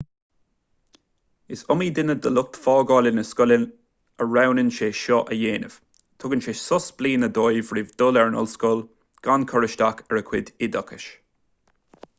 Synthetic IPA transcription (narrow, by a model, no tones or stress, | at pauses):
ɪsɔmiːd̪ɪnəd̪əlʊk̚t̪fɔːɡɔːlɪnəskɔlən | əɹawnənʃeːʃɔʔəjeːnəv̥ | t̪ʰʊɡənʃeːsɔsbliːnəd̪ojvɹɪvd̪ʊlɛɹnʊ̰lskɔl | ɡ̥ankʰɔɹɪʃt̪akɛɹəkʰwɪd̪ɪd̪ɔkʰəʃ